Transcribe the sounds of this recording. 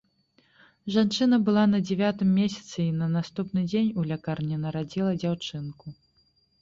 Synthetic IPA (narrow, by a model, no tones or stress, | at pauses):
ʐant͡ʂɨnɐbɨlˠanɐd͡zʲɛvʲat̪ɨmːʲesʲɐ̥t̪sɨinɐnast̪upnɨd͡zʲenʲulʲakarnʲinɐɾad͡zʲilˠɐd͡zʲawt͡ʂɨnku